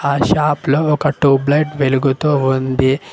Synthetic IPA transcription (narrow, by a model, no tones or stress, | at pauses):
aːʃaːploːɔkɐʈuːblɐjʈʋeluɡut̪uːund̪i